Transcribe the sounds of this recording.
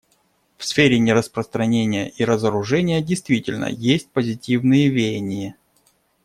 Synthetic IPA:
fsfʲeɾʲɪnʲɪɾəspɾəst̪ɾɐnʲenʲɪjə̰ʔiɾəzəɾʊʐɛnʲɪjədʲɪjst̪vʲitʲɪlʲnə̰jesʲt̚ʲpəzʲɪtʲivnɨjəvʲejɪnʲɪjə

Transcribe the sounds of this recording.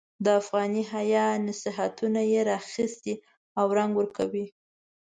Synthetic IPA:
d̪əafɣɑniɦajɑnasiɦat̪unajeɾɑxist̪i | awɾaŋɡwəɾkʰawi

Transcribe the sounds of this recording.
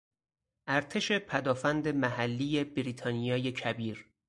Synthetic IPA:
ʔæɾt̪ʰe̞ʃe̞pʰæd̪ɒːfænd̪e̞mæhælːije̞biɾiːt̪ʰɒːnijɒːje̞cʰæbiːɾ

